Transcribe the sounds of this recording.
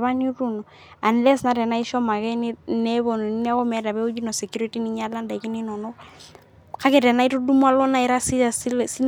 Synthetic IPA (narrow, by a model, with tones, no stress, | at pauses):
βa˦nu˦ɾu˦nɔ | a˨nlɛ˦sna˦ɾɛ˨na˦i˦ʃɔ˦ma˨ɣɛ˦ni˦nɛ˦βɔ˨nɔ˨ni˦ni˦a˦kɔ˦mɛ˦ɾa˨βɛ˦u˦d͡ʒi˦nɔ˨sɛ˨kju˦ɾi˦ti˦ni˦ɲa˦la˦nda˨i˨ki˦ni˦nɔ˨nɔ˦ | ka˦kɛ˨ɾɛ˨na˦i˦to˦du˦mwa˦lɔ˦na˦i˨ɾa˦si˦˨si˦lsi˦